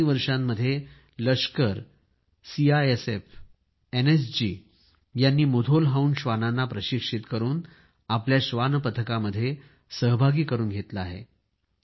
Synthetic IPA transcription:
iːʋəɾʂamːəd̪ʱːje | ləʂkəɾ | siaesef | enesd͡ʑḭː | janːiːmud̪ʱolɦauːnɕʋananːapɾəɕikʂit̪kəɾuːn | apljaɕʋanpət̪ʰəkaməd̪ʱːje | səɦbʱaɡiːkəɾuːnɡʱet̪laaɦḛ

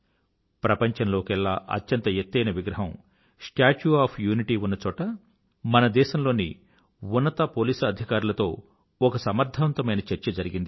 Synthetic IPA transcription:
pɾɐpɐɲt͡ʃɐnlo̞ːkɛɭːaːʔɐ̰tjɐnt̪ɐjet̪ːɐjnɐʋiɡɾɐɦɐm | sʈaːt͡ʃuaːpʰjuːniʈiːunːɐt͡ʃɔːʈɐ | mɐnɐd̪ɛːʃɐmlo̞ːnḭ | unːɐt̪ɐpoːliːsɐd̪ʱikaːɾulɐt̪o̞ː | ɔkɐsɐmɐɾd̪ʱɐʋɐnt̪ɐmɐjnɐt͡ʃɐɾt͡ʃɐd͡ʒɐɾiɡind̪i

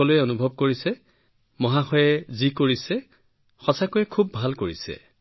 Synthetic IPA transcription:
ɔlʊjɛonubʱɔb̚koɹisɛ | mɔɦaxɔjɛzikoɹisɛ | xɔsakojɛkʰubːʱalkoɹisɛ̰

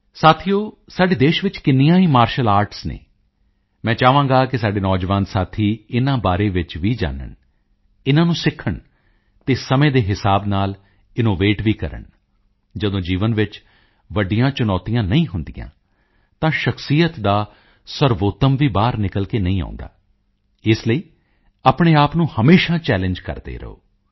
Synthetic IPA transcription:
saːt̪ʰijoː | saːɖeːd̪eːʃʋɪt͡ʃkɪnːijãːɦiːmaːɾʃəlaːɾʈsnḛ̃ː | mɛ̃ːt͡ʃaːʋãːŋɡaːkɪsaːɖeːnɔːd͡ʒʋãːnsaːt̪ʰiːɪnãːbaːɾeːʋɪt͡ʃʋiːd͡ʒa̰ːnə̰ɳ | ɪnãːnũːsɪkʰːəɳ | t̪eːsəmẽːd̪eːɦɪsaːbnaːl | ɪnoːʋeːʈʋiːkə̰ɾə̰ɳ | d͡ʒəd̪õːd͡ʒiːʋənʋɪt͡ʃ | ʋəɖijãːt͡ʃʊnɔːt̪ijãːnəĩːɦʊnd̪ḭjã̰ː | t̪ãːʃəksijət̪d̪aː | səɾʋoːt̪əmʋiːbaːɾnɪkəlkeːnəĩːã̰ːnd̪a̰ː | ɪsləiː | aːpɳ̃eːaːpnũːhəmeːʃãːt͡ʃɛːlɪ̃ɲd͡ʒkə̰ɾd̪ḛːɾə̰o̰ː

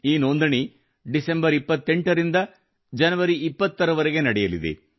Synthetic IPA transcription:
iːnond̪ɐɳi | ɖisembɐɾipːɐt̪ːeɳʈɐɾind̪ɐ | d͡ʒɐnɐʋɐɾiipːɐt̪ːɐɾɐʋɐɾeɡe̞nɐɽɛjɐlḭd̪ḛ

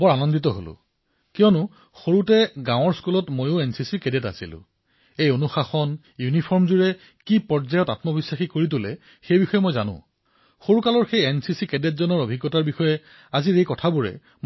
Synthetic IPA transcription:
bɔɹanɔnditɔɦo̰lʊ̰̃ | kijɔnʊ | xoɹutɛɡãw̃ɔɹskulɔtmojʊensisikedeta̰silʊ̰̃ | ejonuxaxɔn | junipʰɔɹmzuɹɛ | kipɔɹzajɔtatmɔbisːaxikoɹit̬ʊlɛ | xejbixɔjɛmojzanʊ̰̃ | xoɹukalɔɹxejensisikedetzɔnɔɹobʱiɡːɔtaɹbixɔjɛ | aziɹejkɔtʰabuɹɛ̰ | m

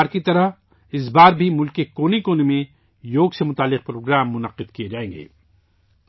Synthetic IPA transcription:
ɾkit̪ɐɾəɦ | ɪs̬baːɾbʱimʊlkekoːnikoːnemẽ | joːɡsemʊt̪aːlːɪq̚pɾoːɡɾaːmːʊnɐqɪd̪kijed͡ʒaːẽːŋ̆ɡḛː

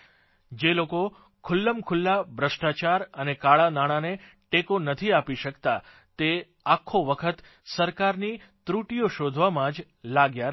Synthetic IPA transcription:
d͡ʒeloko | kʰʊlːəmkʰʊlːabɾəsʈat͡ʃaɾənekaɭanaɽ̃ane | ʈekonət̪ʰiapiʃəkt̪a | t̪e | akʰːoʋəkʰət̪ | səɾkaɾni | t̪ɾuʈijoʃod̪ʱʋamãd͡ʒ | laɡja

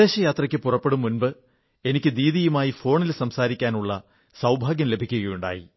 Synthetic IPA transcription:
e̞ːɕɐjaːt̪rɐkʲːɨpurɐpːe̞ɽumːunbɨ | e̞nikʲːɨd̪iːðijumaːjifo̞ːɳilsɐmsaːɾikʲːaːnuɭːɐ | sɐwbʱaːɡjɐmle̞bʱikʲːuɣɐjuɳɖa̰ːjḭ

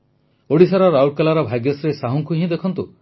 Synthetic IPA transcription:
oɽisaɾɔɾawʈ̚kalaɾɔbʱaɡjɔsɾesaɦɔŋkuɦĩd̪ekʰɔnt̪u

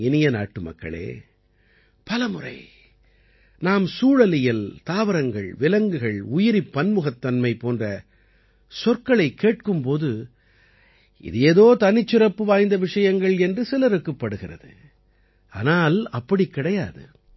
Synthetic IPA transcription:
ɪnɪjɐna̰ːʈːɯmɐ̰kːɐ̰ɭḛː | pɐlɐmɯrɐ̰ɪ | naːmsuːɻɐlɪjɪlt̪aːʋɐɾɐŋɡɐɭʋɪlɐŋɡɯɣɐɭʊjɪɾipːɐnmɯɣɐt̪ːɐnmɐɪpoːndrɐ | sɔrkɐɭɐɪkːeːʈ̚kɯmpoːðɯ | ɪ̰ðeːðoːt̪ɐnɪt͡ʃːɪɾɐpːɯʋaːjnd̪ɐʋɪʂɐjɐŋɡɐɭɛndrɯsɪlɐɾɯkːɐpːɐɽɯɣɪrɐ̰ðɯ̰ | a̰ːnaːlɐpːɐɽikːɪɽɐjaːðɯ̰

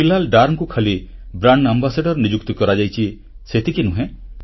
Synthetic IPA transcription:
ilalɖaɾŋkukʰalibɾaɳɖambasaɖɔɾnid͡ʒuk̚t̪ɔkɔɾad͡ʒajt͡ʃʰi | set̪ʰikinuɦẽ

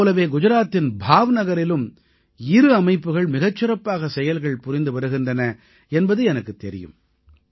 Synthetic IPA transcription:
lɐʋeːɡʊd͡ʒɐɾaːt̪ːɪnbʱaːʋnɐɣɐɾɪlɯm | ɪɾɯɐmɐɪpːɯɣɐɭmɪɣɐt͡ʃːɪɾɐpːaːɣɐsɛjɐlɣɐɭpʊɾɪnd̪ɯʋɐɾɯɣɪndrɐnɐ | ɛnbɐðɯɛnɐkːɯt̪ːɛɾɪ̰jɯ̰m

